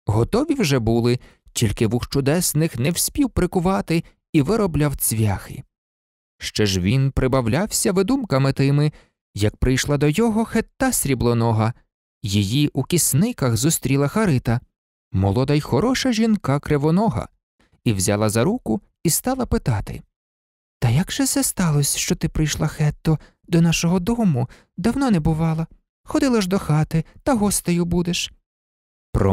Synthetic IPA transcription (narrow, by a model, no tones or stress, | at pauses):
ɦɔt̪ɔʋʲiwʒɛbulˠɪ | tʲilʲkɪʋuxt͡ʃʊd̪ɛsnɪxnɛwsʲpʲiwpɾɪkʊʋɑt̪ɪ | iʋɪɾɔblʲawt͡sʲʋʲaxɪ̰ | ʃt͡ʃɛʒʋʲinpɾɪbɐwlʲawsʲɐʋɪd̪umkɐmɪt̪ɪmɪ | jɐk̚pɾɪjʃlˠɑd̪ɔjɔɦɔxet̪ːɑsʲɾʲiblˠɔnɔɦɐ | jijiʔukʲisnɪkɐɣzust̪ɾʲilˠɐxɐɾɪt̪ɐ | mɔ̰lˠɔd̪ɐjxɔɾɔʃɐʒʲinkɑkɾeʋɔnɔɦɐ̰ | iwzʲɑ̰lˠɐzɐɾukʊ | ist̪ɑlˠɐpɪt̪ɑt̪ɪ̰ | t̪ɐjɐɡʒ̥ɛt̪sɛst̪ɑlˠɔsʲʃt͡ʃɔt̪ɪpɾɪjʃlˠɐxɛt̪ːɔ | d̪ɔnɑʃɔɦɔd̪ɔmʊ | d̪ɐwnɔnɛbʊʋɑlˠɐ | xɔd̪ɪlˠɐʒd̪ɔxɑt̪ɪt̪ɐɦɔst̪ɐjʊbud̪eʃ | pɾɔ̰